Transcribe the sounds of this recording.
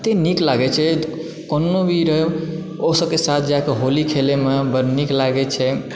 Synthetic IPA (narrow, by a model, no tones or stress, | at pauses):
t̪eniklaɡɛt͡ʃʰɛ | konːobʱiɾə | osəb̚kesat̪ʰd͡ʒakeɦolikʰelemebəɾniklaɡɛt͡ʃʰɛ